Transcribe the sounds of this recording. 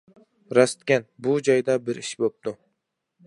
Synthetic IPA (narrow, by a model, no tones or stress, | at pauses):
ɾast̪kʲanbʊd͡ʒɒjd̪abɪɾɪʃbop̚d̪̥ʊ